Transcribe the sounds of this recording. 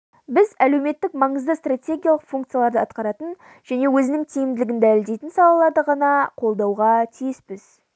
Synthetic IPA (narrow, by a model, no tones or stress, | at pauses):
bɪzæle̞wme̞t̪ːɪkmɑɴəzd̪əst̪rat̪ʲe̞ɡʲijalˠəqfuŋkt̪sɨjalˠɑɾd̪əɑt̪qɑɾɑt̪ən | ʒ̥æne̞wɵzɪnɪŋt̪ʰijɪmd̪ɪlɪɡʲɪnd̪ælɪld̪e̞jt̪ɪnsɑlˠɑlˠɑɾd̪əʁɑnɑqʰo̞lˠd̪ɑwʁɑt̪ʰijɪspɪz̥